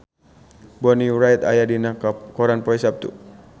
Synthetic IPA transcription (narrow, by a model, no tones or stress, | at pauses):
bɔniuɾajt̪a̰jadinakɔɾanpɔisap̚t̪ṵ